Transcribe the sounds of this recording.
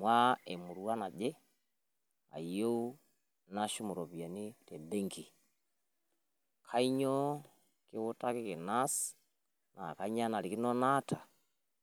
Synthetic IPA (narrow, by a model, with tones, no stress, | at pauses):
mwa˦ɛ˨mu˨ɾu˨a˦na˨d͡ʒɛ˦ | a̰˨i˨jo˦u˦ | na˦ʃu˦mu˨ɾɔ˨βi˨a˨ni˦tɛ˨bɛ˦ŋki˨ | kʰa˦i˦ɲɔ˦ | ki˦wu˦ta˦ki˦ki˨na˦s | na̰˨ka˨i˦ɲa˦na˨li˨ki˦nɔ˦na˦tʰa˨